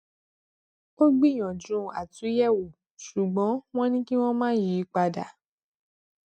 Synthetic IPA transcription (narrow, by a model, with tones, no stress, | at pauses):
o˦ɡ͡bi˦˨j̃ɔ̃˨d͡ʒũ˨˦a˨tũ˨˦jɛ˦˨wo˨ | ʃu˨ɡ͡bɔ̃˨˦w̃ɔ̃˦nĩ˦ki˦w̃ɔ̃˦mãː˦ji˨˦k͡pa˧da˨